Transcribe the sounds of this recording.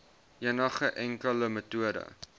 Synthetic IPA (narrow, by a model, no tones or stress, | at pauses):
jənəχəʔæŋkələmətuədə̰